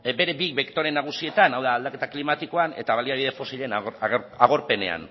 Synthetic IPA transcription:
be̞ɾe̞bikbekt̪o̞ɾe̞naɣ̞usie̞t̪anawðaːld̪ake̞t̪aklimat̪iko̞ane̞̰t̪aβaliaβiðefo̞siʎenaaɣo̞ɾpe̞ne̞̰a̰n

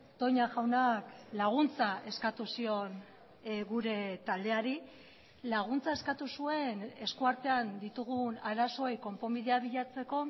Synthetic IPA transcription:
t̪o̞ɲaʝawnaklaɣ̞unt͡saʔe̞skat̪usio̞n | ɣuɾe̞t̪ald̪e̞aɾi | laɣ̞unt͡sae̞skat̪usue̞ne̞skuaɾt̪e̞and̪it̪uɣ̞unaɾaso̞ejko̞mpo̞mbiðe̞aβiʎat͡se̞ko̞

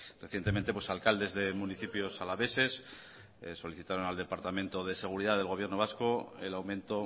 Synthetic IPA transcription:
reθjent̪e̞ment̪e̞pwe̞salkald̪e̞zðe̞muniθipjo̞salaβe̞se̞s | so̞liθit̪aɾonald̪e̞paɾt̪amẽnt̪o̞ð̞e̞se̞ɣ̞uɾiðaðelɣo̞βjeno̞β̞askoelawmẽnt̪o̞

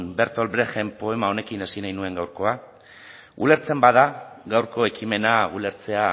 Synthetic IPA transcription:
be̞ɾt̪o̞lbɾexe̞mpo̞e̞mao̞ne̞kinesinajnue̞ŋɡawɾko̞a | ṵle̞ɾt͡se̞mbaðaɣawɾko̞e̞kime̞naṵle̞ɾt͡se̞a

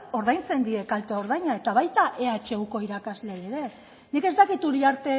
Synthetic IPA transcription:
o̞ɾð̞ajnt͡se̞nd̪ie̞kalt̪eo̞ɾðajɲae̞t̪aβajt̪aʔe̞at͡ʃe̞uko̞iɾakazle̞eɾe̞ | nike̞zt̪akit̪uɾiaɾt̪e̞

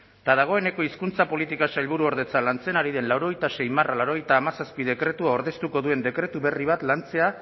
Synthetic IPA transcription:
t̪aðaɣ̞o̞e̞ne̞ko̞iskunt͡sapo̞lit̪ikaʃaʎβuɾuo̞ɾðe̞t͡salant͡se̞naɾiðe̞nlawɾo̞ɣ̞ejt̪ase̞jmaralawɾo̞ɣe̞jt̪aːmasaspið̞e̞kɾe̞t̪uao̞ɾðe̞st̪uko̞ðue̞nd̪e̞kɾe̞t̪uβe̞riβ̞at̪lant͡se̞a

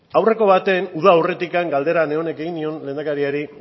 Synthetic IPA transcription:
awre̞ko̞βat̪e̞nuðaːwre̞t̪ikaŋɡald̪e̞ɾane̞o̞ne̞keɣinio̞nle̞nd̪akaɾiaɾi

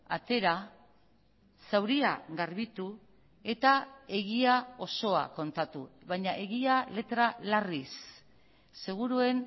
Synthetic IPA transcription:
at̪e̞ɾa | sawɾiaɣaɾβit̪u | e̞t̪ae̞ɣiao̞so̞a̰ko̞nt̪at̪uβajɲaʔe̞ɣiale̞t̪ɾalarisː | e̞ɣ̞uɾue̞n

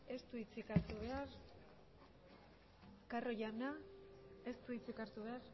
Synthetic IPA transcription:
e̞st̪uit͡sikaɾt̪uβe̞aɾ | karo̞jana | e̞st̪uit͡sikaɾt̪uβe̞aɾ

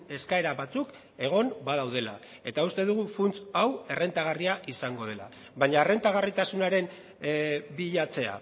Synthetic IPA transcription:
e̞skae̞ɾaβat͡suk | e̞ɣ̞o̞nbaðawðe̞la̰ | e̞t̪aust̪e̞ðuɣ̞ufunt͡sawe̞re̞nt̪aɣ̞ariaʔisaŋɡo̞ð̞e̞la̰ | βaɲare̞nt̪aɣ̞arit̪asunaɾe̞m | biʎat͡se̞a̰

